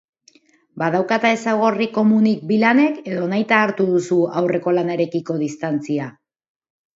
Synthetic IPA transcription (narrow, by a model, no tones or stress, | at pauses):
bað̞awkat̪ae̞saɣ̞o̞riko̞munik̚bilane̞ke̞ðo̞najt̪aːɾt̪uðusuawre̞ko̞lanaeɾe̞kiko̞ðist̪ant͡sia